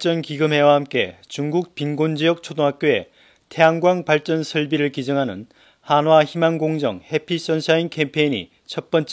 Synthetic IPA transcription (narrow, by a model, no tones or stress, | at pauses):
t͡ɕ͈ʌnkiɡɯmɦe̞wahamk͈e̞̰t͡ɕuŋɡuk̚pinɡond͡ʑijʌk̚t͡ɕʰodoŋɦak̚k͈joe̞̰ | tʰe̞ɦaŋɡwaŋpaɭt͡ɕ͈ʌnsʰʌɭbiɾɯɭkid͡ʑʌŋɦanɯ̰n | hanwaçimaŋɡoŋd͡ʑʌŋhe̞pʰiɕ͈ʌnsʰainkʰe̞mpʰe̞iɲḭ | t͡ɕʰʌt̚p͈ʌnt͡ɕ͈